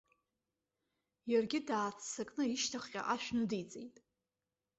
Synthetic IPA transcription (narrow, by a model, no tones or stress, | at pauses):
jarɡʲɪdaːt͡sʰsakʼnɨiʃtʰaχqʲʼa̰ʔaʃᶣnudijt͡sʼḛjtʼ